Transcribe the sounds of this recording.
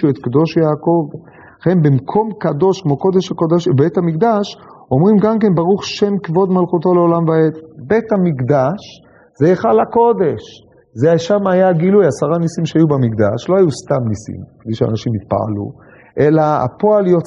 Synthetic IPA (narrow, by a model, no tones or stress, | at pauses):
uet̪kd̪o̞ʃjaːko̞v | χenbimkʰo̞mkad̪o̞ʃkmo̞ko̞d̪e̞ʃhakodaʃbet̪hamikd̪aʃo̞mʁimɡamke̞nbaʁuχʃe̞mkvo̞d̪malχut̪o̞leolamvaetbe̞t̪hamikd̪aʃ | zeeχalako̞d̪e̞ʃ | zeaʃamajaɡilujasaʁanisimʃeajubamikd̪aʃlo̞hajust̪amnisḭmked̪ejʃea̰naʃimit̪̚pa̰a̰lṵ | ʔe̞laa̰po̞aljo